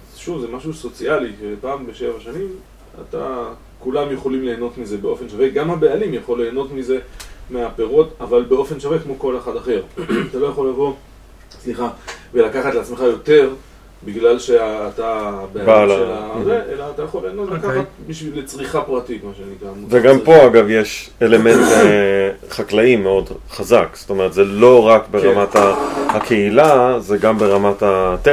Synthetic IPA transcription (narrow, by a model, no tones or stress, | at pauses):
zʃuvzemaʃuso̞t͡sialikepaːmbe̞ʃe̞vaʃanim | a̰t̪a | kulamjeχo̞limle̞ːno̞tmize̞beo̞fe̞nʃave̞ɡamhabe̞alimjaχo̞lːe̞ːno̞tmize̞meape̞ʁo̞d̪avalbe̞o̞fe̞nʃavekmo̞ko̞leχad̪aχe̞ʁat̪alo̞jaχo̞lavo̞ | sliχavelakaχatleat͡smeχajo̞te̞ʁ | biɡlalʃeaat̪abebalaeazeʔelaːt̪ajaχolenotlkaχat̪̚biʃvilːet͡sʁiχapʁatitmaʃenikamveɡampo̞aɡavjeʃele̞ment̪eχaklaimeo̞dχazakst̪o̞me̞ʁet̪zelo̞ʁakbe̞ʁamataakʰe̞ilazeɡambe̞ʁamatat̪e